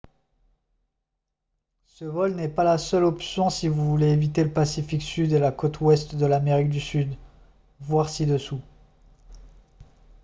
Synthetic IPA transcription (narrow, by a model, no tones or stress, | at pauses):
səvɔlnɛpalasœlɔpsjɔ̃sivuvuleːvit̪eləpasifiksyd̪elakot̪ʰwɛst̪d̪əlameʁik̚d̪ysyd̪ | vwaʁsid̪əsu